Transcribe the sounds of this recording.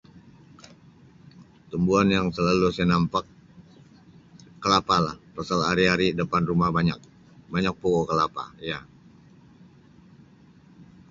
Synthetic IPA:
t̪umbuanjaŋsəlalusanampak̚ | əlapalahpasalɦaɾiɦaɾidəpanrumahbaɲak̚ | baɲak̚pokokəlapa̰ja

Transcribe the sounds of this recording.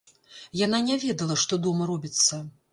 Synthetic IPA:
jan̪anʲɛvʲɛd̪ɐlˠɐʂt̪ɔd̪ɔmɐɾɔbʲit̪sːɐ

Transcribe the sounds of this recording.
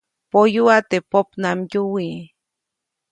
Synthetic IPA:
pojuat̪epopnamjuwi

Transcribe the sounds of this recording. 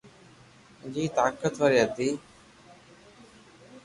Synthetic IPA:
d͡ʒiːt̪aːkət̪ʋəɾiːɦət̪iː

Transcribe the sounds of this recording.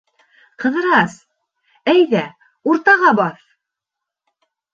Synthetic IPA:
qɤ̆ðɤ̆ɾɑs | æjðæ | uɾt̪ɑʁɑbɑθ

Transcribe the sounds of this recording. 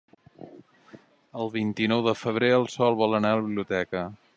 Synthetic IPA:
əlˠβint̪inɔwðəfəβ̞ɾeəlˠsɔlˠβɔlənaləβiβliut̪ɛkə

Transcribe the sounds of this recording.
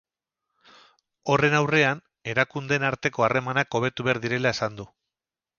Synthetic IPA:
o̞re̞nawre̞an | e̞ɾakund̪e̞naɾt̪e̞ko̞are̞manako̞β̞e̞t̪uβe̞aɾðiɾe̞lae̞sand̪u

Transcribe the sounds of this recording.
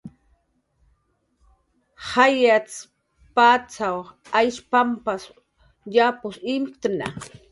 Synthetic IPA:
hajat͡s | pat͡sawajʃpampas | japʊsimkt̪na̰

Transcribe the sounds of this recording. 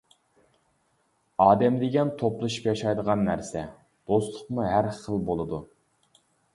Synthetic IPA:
ɑːd̪ɛmd̪ɪɡʲɛnt̪ʰoplˠɨʃu̥pjɑʃɑjd̪əʁɑnːæɾsɛ | d̪̥ost̪lˠəqmuɦæɾχəlˠbolˠɨd̪u

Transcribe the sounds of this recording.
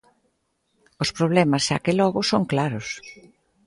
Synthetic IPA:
ospɾoβ̞lɛmɐsʃa̰kelɔɣʊsoŋklaɾʊs

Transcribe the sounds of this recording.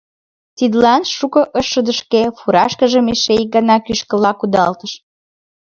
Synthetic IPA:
t̪id̪lɑnʃukɤ̆ʔəʃːəd̪əʃkefuɾɑʃkəʒə̆meʃeik̚ɡɑnɑkyʃkə̆lɑkud̪ɑlt̪əʃ

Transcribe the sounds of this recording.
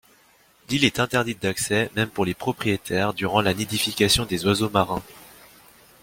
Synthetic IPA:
lilɛt̪ɛ̃t̪ɛʁd̪it̪̚d̪aksɛmɛmpuʁlepχɔpχijet̪ʰɛʁd̪yʁɑ̃laned̪ifikʲasjɔ̃d̪ezwazomaʁɛ̃

